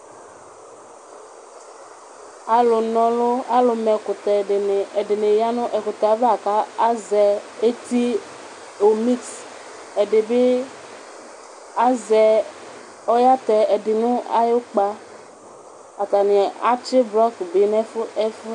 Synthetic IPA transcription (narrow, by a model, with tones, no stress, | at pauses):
a˨lʊ˨nɔ̃˨lo˦a˦lʊ˨mɛ˨kʊ˨t̪ɛ˨ɖe˨ne˨e˨ɖe˨ne˨ja˦nʊ̃˦ʔɛ˨kʊ˨t̪a˨va˨ka˦a˦zɛ˨e˦t̪i˦ | o˨mi˦ks | e˨ɖe˨be˦ | a˦zɛ˨ | ɔ˦ja˦t̪ɛ˨e˨ɖɪ˨nũ˦a̰˦jo˦k͡pa˦ | a˨t̪a˨nĩ˨a˦t͡ʃɪ˦blɔ˦kbe˨nɛ̃˦fʊ˦ɛ˦fʊ˦